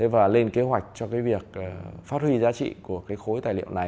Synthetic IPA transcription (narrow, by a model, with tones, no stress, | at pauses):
t̪ʰe˨˦vaː˨˩le˧nke˨˦ɦwa˨˩jk̟̚t͡ɕɔ˧kaː˨˦jvi˨˩ək̚ːfaː˦˥t̚hwi˧zaː˨˦t͡ɕḭ˧˨ku˧˩əkaː˨˦jxo˨˦jt̪aː˨˩jlḭ˧˨ə̰˨wna˨˩j